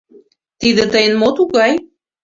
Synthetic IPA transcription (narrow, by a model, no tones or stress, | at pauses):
t̪id̪ĕt̪əjənmot̪uɣɑj